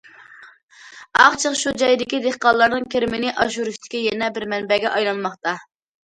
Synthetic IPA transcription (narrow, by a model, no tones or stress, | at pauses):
ɑχt͡ʃʰəqʃud͡ʒɑjd̪ɪkʲid̪eχqɑlˠːɑɾnɨŋkʲʰeɾɪmɪnɪʔɑʃuɾuʃt̪ʰɪ̥kʲijɛnɛbɪɾmɛnbɛɡʲɛʔɑjlˠɑnmɑχt̪ɑ